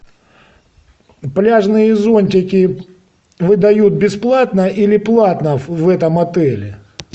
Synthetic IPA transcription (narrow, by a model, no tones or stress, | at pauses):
plʲaʐnɨjəzo̞nʲtʲɪkʲɪ | vɨd̪ɐjut̪̚bʲɪsplˠat̪nəʔilʲɪplˠat̪nəvɛt̪əmɐt̪ɛlʲɪ